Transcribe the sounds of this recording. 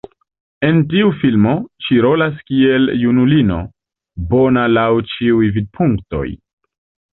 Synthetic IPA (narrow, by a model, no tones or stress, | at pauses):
e̞ntiufilmo̞ʃiɾo̞laskie̞ljunulino̞̰ | bo̞nalawt͡ʃiujvid̚pʰuŋkto̞̰j